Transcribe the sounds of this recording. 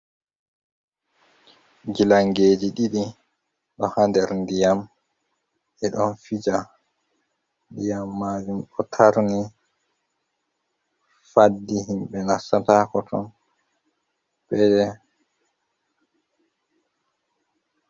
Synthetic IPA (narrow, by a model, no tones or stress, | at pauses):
ɡilaŋɡeːd͡ʒiɗiɗi | ɗɔhandɛɾndijam | ɛɗɔnfid͡ʒa | ndijamːad͡ʒumɗɔtʰaɾni | fadːiɦimɓɛnasataːkɔtʰɔ̰n | ɓɛdɛ